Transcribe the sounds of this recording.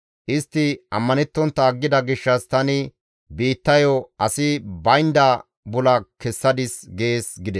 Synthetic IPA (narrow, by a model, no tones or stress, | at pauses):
ʔɪst̪ːɪʔɐ̰mːɐnɛt̪ːɔnt̪ːɐːɡːɪd̪ɐɡɪʃːɐst̪ɐnɪ | biːt̪ːɐjɔɐsɪbɐjnd̪ɐ | bʊlɐkɛsːɐd̪ɪsɡe̞ːsɡɪd̪ɛ